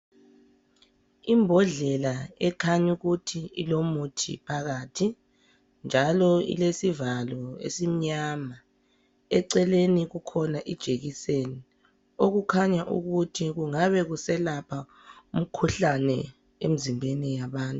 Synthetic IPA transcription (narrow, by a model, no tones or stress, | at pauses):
imbʱɔɮɛlaɛkʰaɲuɣutʰiilomutʰḭpʰaɣaːtʰi | nd͡ʒʱalɔḭlesivalɔḛsim̩ɲama | ɛǀɛleniɣukʰɔnaʔid̥ʒ̥ʱeɣiseni | oɣukʰaɲaʔṵɣutʰiɣuŋaβɛɣusɛlapʰa | um̩kʰuɬanɛ | em̩zimbʱenijaβaːntʼu